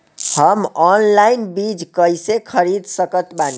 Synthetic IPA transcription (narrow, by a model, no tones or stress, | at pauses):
həmɔnlainbid͡ʒkəjsekʰəɾid̪səkət̪ban